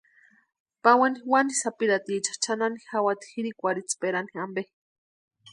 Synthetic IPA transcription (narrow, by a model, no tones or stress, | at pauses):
pawaniwanisapiɾat̪it͡ʃḁt͡ʃananixawat̪i̥xiɾikʷaɾit͡speɾaniambeh